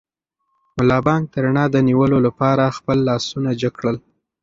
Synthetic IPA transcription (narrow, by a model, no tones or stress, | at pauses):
mʊlɑbɑŋɡ̚t̪əɾaɳɑd̪əniwəlolapɑɾaxpəlːɑsunad͡ʒəkɽəl